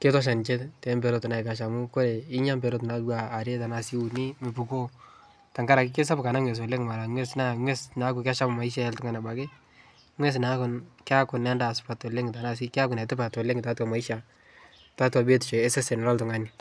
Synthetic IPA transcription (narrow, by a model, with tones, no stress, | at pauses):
ke˦tɔ˦ʃ̬a˨nt͡ʃe˦ttɛ˨˦mbɛ˨ɾo˦tɔ˨na˨i˨ka˨ʃ̬a˨mʊ˦ko˦ɾe˨ɪ˦ɲa˦mbɛ˨ɾo˦tna˨waː˨ɾe˦ta˨na˨si˦u˨ni˦me˨pu˨ko˦ | ta˨ŋɡa˦ɾa˨kike˦s̬a˦bka˨na˦ŋwe˨s̬wo˨le˦ŋma˨la˨ŋwe˦sna˦ŋwɛ˦sna˨˦ku˨ka˦ʃa˦m˨ma˨i˦ʃ̬a˦ɛ˦ltʊ˦ŋa˨na˨ba˨ke˦ | ŋwɛ˦s̬na˦kʊ˨nka˦kʊ˨nɛ˨˦nda˨spa˨to˨le˦ŋta˨nas̬i˦kɪ˦a˦kʊ˨nɛ˨tɪ˦pa˨to˨le˦ŋta˨˦twa˨ma˨i˦ʃa˨ | ta˦twa˨be˦tɪ˨t͡ʃɔ˨ɛ˦se˦sɛ˨n˨lɔ˦ltʊ˨ŋa˦ni˨